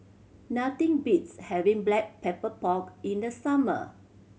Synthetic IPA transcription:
nat̪ĩŋbitshɛvĩŋblɛk̚pɛpəpɔkĩndəsamə̰

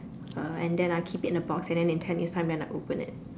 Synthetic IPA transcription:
ʌɛ̃ndɛ̃naɪlkʰipɪtɪ̃nəbɔksɛ̃ndɛ̃nɪ̃ntʰɛ̃nḭɪ̃stʰãɪ̃mdɛ̃naɪʔopə̃nɪ̰t̚

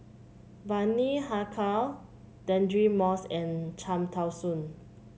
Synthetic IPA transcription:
vanihakʰal | d̥ɛ̃ndɹimɔsɛ̃nt͡ʃʰãmtʰawsũn

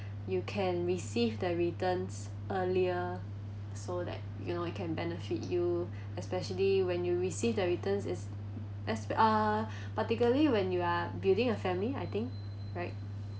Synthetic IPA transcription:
jukʰɛ̃nɹisivdəɹitə̃ns | əliə | sodɛ̰t̚junoɪt̚kʰɛ̃nbɛnəfit̚ju | ɛspɛʃəliwɛ̃njuɹisivdəɹitə̃nsɪts | ʔɛsʔə | patikuləliwɛ̃njuabildɪ̃ŋəfɛ̃mliajt̪ɪ̃ŋk̚ | ɹaɪt̚

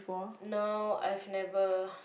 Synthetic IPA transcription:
fɔnoa̰ɪvnɛvə

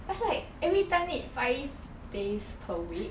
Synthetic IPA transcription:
b̥atlaɪk̚ʔɛvɹitãnitfaɪv | despʰəwik

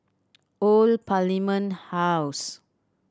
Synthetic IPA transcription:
olpalimə̃nhaws

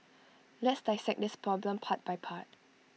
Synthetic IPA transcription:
lɛtsdaɪsɛk̚dɪspʰɹɔblə̃mpʰat̚bajpʰat̚

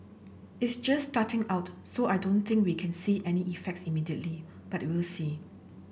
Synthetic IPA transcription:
ɪtsd͡ʒasːtatɪ̃ŋaʊtsoajdõnθɪ̃ŋkwikʰɛ̃nsiʔɛniʔifɛk̚tsimidiətli | b̥atwilsi

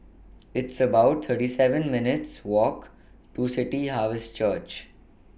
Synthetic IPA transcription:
ɪʈsəbaʊʈ̚t̪ʰəːʈisɛʋə̃nmɪnɪʈsʋɔːk | ʈusɪʈiɦaːʋɪsʈt͡ʃəːt͡ʃ

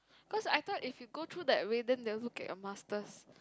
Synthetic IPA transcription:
kɔsajt̪ɔtifjuɡot̪ʰɹudɛt̚wedɛ̃ndelukɛ̰t̚jɔ̰mastəs

